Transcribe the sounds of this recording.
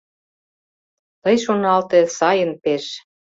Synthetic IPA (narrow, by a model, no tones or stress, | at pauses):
t̪ɤjʃonɑlt̪ĕsɑjə̆npeʃ